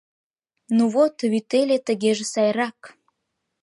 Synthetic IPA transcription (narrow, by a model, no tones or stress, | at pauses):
nuβot̪βyt̪elʲet̪ə̆ɣeʒĕsɑjrɑk